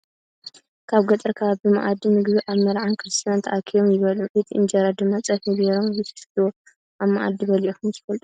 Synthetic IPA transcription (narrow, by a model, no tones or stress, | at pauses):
kʰaβɡɐt̪ʼɨɾkʰaβabɨma̰ʔad̪ːimɨɡβiʔaβmɐɾʕankʰɨɾɨst̪ʰijant̪ʰɐʔakʰijomjɪβɐluʔet̪ʰiʔɨnd͡ʒaɾad̪ɨmːat͡sʼɐfibeɾomzɨt̪ʰɐ̥st̪ʰo | ʔaβmaʔa̰d̪ːibɐliʔoxumzɨ̥fɐlt̪ʼu̥